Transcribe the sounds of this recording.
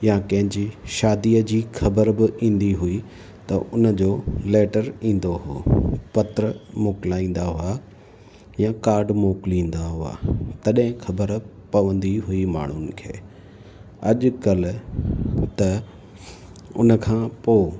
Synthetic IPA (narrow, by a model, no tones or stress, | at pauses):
jakɐ̃ɦɪ̃ɲd͡ʑiʃaːd̪iəd͡ʑiːxʰɐbəɾbɪʔĩːn̆d̪iɦui | t̪ɐʔʊnə̆d͡ʑoːleːʈəɾĩːn̆d̪oɦo̰ːpɐt̪ɾəmoːklaːĩːn̆d̪aɦʊa | jãkaːɾɖmoːkɪlĩːn̆d̪aɦʊa̰t̪ɐɗɦɪ̃xʰɐbəɾpɐʋə̃nd̪iɦʊima̰ːɳ̤ʊnɪ̆kʰḛː | ɐʄkɐl | t̪ɐ | ʊ̰nə̆kʰãːpoː